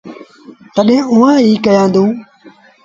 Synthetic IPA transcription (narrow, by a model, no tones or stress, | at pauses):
t̪əɗẽːʊːãːiːkəjãːnd̪ũː